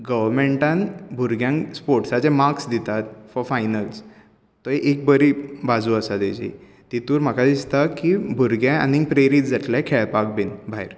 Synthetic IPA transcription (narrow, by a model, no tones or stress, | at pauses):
ɡəʋəɾmeɳʈãnbʱuɾɡjãŋspoɾʈsat͡sɛ̃maksd̪it̪at̪fɔɾfajnəls | t̪ːɔeʔek̚bəɾibad͡zuəsat̪ed͡ʑḭ | t̪it̪uːɾm̤akad̪ist̪akibʱuɾɡjãa̰nĩŋpɾeɾiːt͡sd͡zaʈ̪lẽkʰeɭpak̚binbʱajɾ